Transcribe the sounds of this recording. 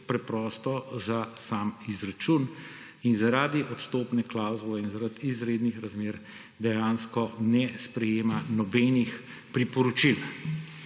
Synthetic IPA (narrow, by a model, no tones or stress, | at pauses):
pɾɛpɾɔːst̪ɔzasaːmizɾat͡ʃun | inzaɾaːd̪iʔɔt̪st̪oːpnɛklawzulɛinzaɾat̪izɾeːd̪nixɾazmeːɾ | d̪ɛjaːnskɔnɛspɾɛjeːmanɔbɛnixpɾipɔɾɔt͡ʃil